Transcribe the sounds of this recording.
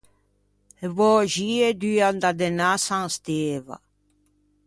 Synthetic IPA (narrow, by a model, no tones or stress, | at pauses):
evɔʒied̪yand̪ad̪enasãŋst̪eva̰